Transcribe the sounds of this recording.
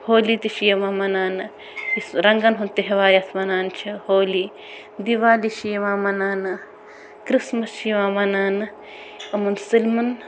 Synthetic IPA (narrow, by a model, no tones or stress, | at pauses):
hoːliːt̪iʃijɐmaːmɐnaːnɨ | isɾɐŋɡɐnɦunt̪iɦeʋaːɾʲɐt̪ʰmɐnaːnt͡ʃʰihoːli | d̪iʋaːliʃijɐʋaːmɐnaːnɨ | kɾismɐsʃiʋaːmɐnaːnɨ | ɐmunsilmɐn